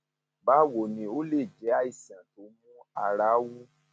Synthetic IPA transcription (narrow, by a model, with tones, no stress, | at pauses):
ba˨˦wo˨nĩ˧o˦le˦˨d͡ʒɛ˨˦a˦i˦˨si˨ã˨to˨˦mũ˦a˧˨ɾa˨˦wu˦